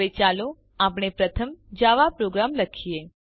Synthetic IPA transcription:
et͡ʃalo | apɳ̃epɾət̪ʰəmd͡ʒaʋapɾoɡɾamləkʰije

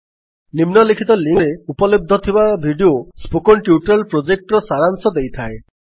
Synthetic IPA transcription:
nimnɔlikʰit̪ɔliŋɾeupɔlib̚d̪ʱɔt̪ʰibabʱiɖiospokɔnʈjuʈalpɾod͡ʒek̚ʈɔɾɔsaɾaŋsɔd̪ejt̪ʰae

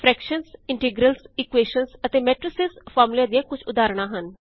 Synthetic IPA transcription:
pʰɾɛːkʃənsɪɳʈɪɡɾəlsɪkweːʃənsət̪eːmɛːʈɾɪsɪspʰaːmlijãːd̪ijãːkʊt͡ʃʰʊd̪aːɾɳ̃ãːɦən

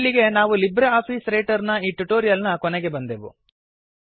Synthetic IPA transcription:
lːiɡe̞naːʋulibɾeaːpiːsɾejʈɐɾnɐiːʈuʈoːɾijɐlnɐkɔnɛɡe̞bɐnd̪eʋṵ

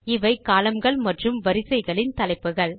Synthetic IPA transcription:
ɪʋɐɪkːaːlɐmɡɐɭmɐʈrɯmʋɐɾɪsɐɪɣɐɭɪnt̪ɐlɐɪpːɯɣɐɭ

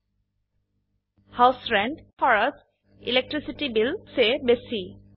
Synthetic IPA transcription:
hawsɹɛɳɖfʰɔɹas | ilek̚ʈɹisiʈibilsebesi

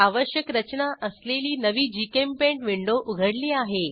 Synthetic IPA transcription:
aʋəɕjəkɾət͡ɕnaʔəsleliːnəʋiːd͡ʑikempẽɳʈʋiɳɖoʔuɡʱəɽliːaɦe

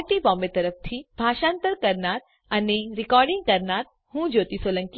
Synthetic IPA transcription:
ʈibɔ̃ːmet̪ɐɾəf̚t̪ʰibʱaːʃãːnt̪əɾkɐɾnaːt̪̚ | ɐneɾɪkɔːɾɖɪ̃ŋɡ̚kɐɾnaːt̪̚ | hũːd͡ʒoːt̪isoːlə̃ŋki

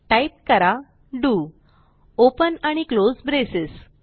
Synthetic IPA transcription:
ʈajp̚kəɾa | ɖuː | opənaɽ̃iklozbɾesis

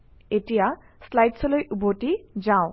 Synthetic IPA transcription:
eʈija | slajʈsʰolojʔuboʈid͡ʑao

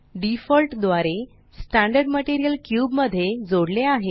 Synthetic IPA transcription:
ɖifəlʈd̪ʋaɾe | sʈæ̃ɳɖəɾɖməʈiɾijəlkjuːbməd̪ʱːjed͡zoɽleaɦe

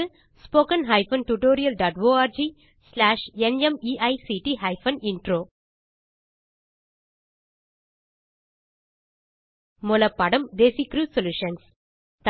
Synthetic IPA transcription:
spoːkɐnɦɐɪfɐnʈuʈoːɾijɐlɖaːʈʋoːaːɾd͡ʒiː | slaːʃɛnemiːʔɐɪsiːʈiɦɐɪfɐnɪɳʈɾoː | mʊlɐpːɐɽɐmd̪eːsikɾuːsɔljuːʃɐns | t̪

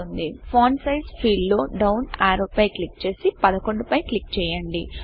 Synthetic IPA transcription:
und̪ipʰoːnsɐjspʰiːlːoːɖɐwnaːɾupɐjklik̚t͡ʃe̞ːsipɐd̪ɐko̞ɳɖupɐjklikt͡ʃɛːjɐɳɖi

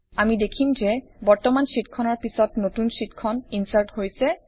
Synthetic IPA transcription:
amidekʰimzɛbɔɹtɔmansitkʰɔnɔɹpisɔtnotunsitkʰɔninsaɹthojsɛ

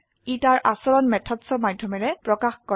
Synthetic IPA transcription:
itaɹʔasɔɹɔnmɛtʰɔtsɔmadʱjɔmɛɹɛpɹɔkaxkɔ

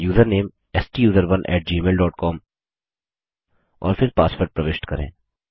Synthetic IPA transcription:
juːzəɾneːm | ɛsʈiːjuːzəɾʋɐnʔɛ̰ːʈ̚d͡ʒiːmeːlɖɔːʈkɔːm | ɔ̰ːɾfɪɾpaːsfəɾɖ̚pɾɐʋeːʃʈkɐɾḛ̃ː

